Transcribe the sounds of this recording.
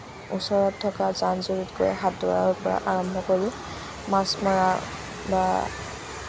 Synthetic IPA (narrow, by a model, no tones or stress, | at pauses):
ṵsɔɹɔtʰːɔkazanzoɹitɡojɦatdɔɹa̰ɹʊpɔɹa̰ʔaɹɔmbʱɔkoɹi | masmaɹa | ba